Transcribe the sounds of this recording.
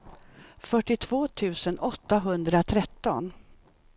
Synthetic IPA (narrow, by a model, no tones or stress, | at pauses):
fœʈːɪt̪ʰv̥oːt̪ʰʉ̟ːsənʔɔt̪ːaɦɵnd̪ɾat̪ʰɾɛt̪ːɔn